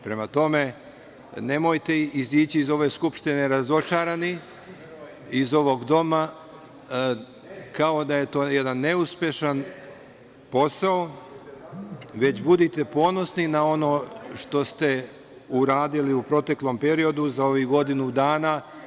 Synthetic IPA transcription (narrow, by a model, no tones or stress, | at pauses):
pɾe̞mat̪o̞me̞ | ne̞mo̞jt̪e̞iziːt͡ɕiizo̞ʋe̞skupʃt̪ine̞ɾazo̞t͡ʃaɾani | izo̞ʋo̞ɡd̪o̞ma | kao̞d̪aje̞t̪o̞ːje̞d̪anːe̞uspje̞ʃan | po̞sao | ʋe̞t͡ɕbud̪it̪e̞po̞ːno̞sninao̞no̞ʃt̪o̞st̪e̞ | uɾaːd̪iliupɾo̞t̪e̞klo̞mpe̞ɾio̞d̪uzao̞ʋiɡo̞d̪inud̪aːna